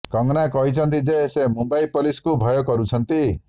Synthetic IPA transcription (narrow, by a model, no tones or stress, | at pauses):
kɔŋnakɔɦit͡ʃʰɔnt̪id͡ʒesemumbaipoliskubʱɔjɔkɔɾut͡ʃʰɔnt̪i